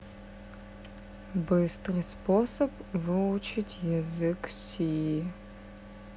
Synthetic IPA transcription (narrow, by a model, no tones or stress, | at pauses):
bɨstrɨsposɐpvɨʊt͡ʃʰɪtʲjɛzɨksiji